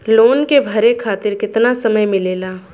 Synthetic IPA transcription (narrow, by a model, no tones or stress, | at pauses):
loːnkebʱɐɾekʰaːt̪ɪɾkɪt̪nasɐməjmɪleːlaː